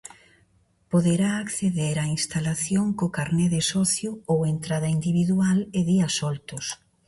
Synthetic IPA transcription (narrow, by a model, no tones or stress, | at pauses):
poðeɾaːkθeðeɾainst̪alaθjoŋkokaɾneðesɔθjʊowent̪ɾaðɐind̪iβiðualeðiɐsɔlt̪ʊs